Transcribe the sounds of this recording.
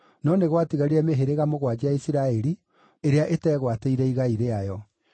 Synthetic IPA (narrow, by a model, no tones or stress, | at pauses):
nɔneɣwatiɣaɾeɛmeɦeɾeɣamoɣwad͡ʑiaisiɾaɛɾi | eɾeaʔetɛːɣwateiɾɛiɣaiɾeajɔ